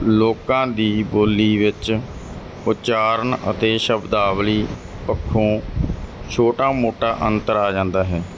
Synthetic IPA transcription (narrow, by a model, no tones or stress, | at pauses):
loːkãːd̪iːboːliːʋɪt͡ʃ | ʊt͡ʃaːɾəɳə̰t̪eːʃəbd̪aːʋliː | pəkʰːõː | t͡ʃʰoːʈaːmoːʈaːʔənt̪əɾaːd͡ʒãːnd̪aːɦɛː